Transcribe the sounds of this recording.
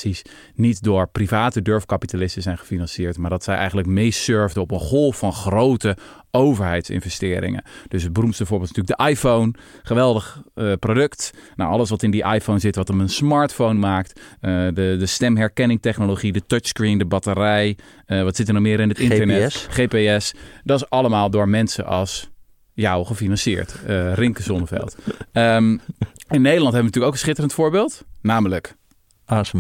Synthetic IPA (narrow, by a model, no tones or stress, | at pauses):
sis | nitdʊːɹprivaːtədøɹfkapitalɪstəzɛjnχə̥finɑnsɪːɹtmaːɹdɑtsɛjʔɛ̰jχənlək̚mejsøɹvdəɔpənχɔlˠffɑnχrowtə | owvəɹɦɛjtsɪ̰nvɛstɪːɾɪ̰ŋə̰nd̥øsɦəd̚bərumtstəbvʊːɹbɪlˠtntyːləɡ̚dəʔajfown | χəʋɛlˠdəχprodøktna̰ʔɑləsʋɑtɪndiʔa̰jfownzɪtʋɑtəmənsmaɹtfownmaːktədədəstɛmɦɛɹkɛnɪŋtɛχnoloχidətət͡ʃskrindəbɑtərɛj | əʋɑtsɪtənomɪːɾɪnətɪnənɛχeːpeɛsdɔtɪsɑləmaːlˠdʊːɹmɛnsə̰ʔɑ̰lˠs | jawχəfinɑnsɪ̰ːɹtərɪŋkəzɔnəfɛ̰lˠtə | ɪnːejdəlɑntɦɛbəntyːləkowkənsχɪtərəntfoʊːɹbɪːlˠtnaːmələk | a